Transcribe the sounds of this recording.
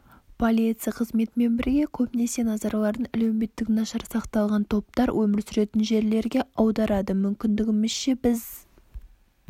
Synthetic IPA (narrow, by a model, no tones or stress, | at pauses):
pʰo̞lʲit̪sɨjɑqʰəzme̞t̪me̞nbɪɾɡʲe̞kʲʰɵpne̞se̞nɑzɑɾɑlˠɑɾd̪əŋælæwme̞t̪ːɪkʲnɑʃɑɾsɑqt̪ɑlˠʁɑnt̪ʰo̞p̚t̪ɑɾwʔɵmɪɾsʏɾe̞t̪ɪnʒe̞ɾle̞ɾɡʲe̞ɑwd̪ɑɾɑd̪əmʏmkʲɪnd̪ɪɡʲɪmɪzʃe̞bɪz